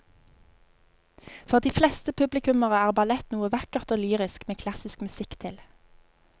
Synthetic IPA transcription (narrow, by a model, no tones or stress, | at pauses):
fɔʁd̪iːflɛst̪əpʰʉblɪkʉməʁəæːʁbɑlɛt̪nuːəʋɑkəʁt̪oːlyːʁɪskmeːkʰlɑsɪskmʉsɪkt̪ʰɪl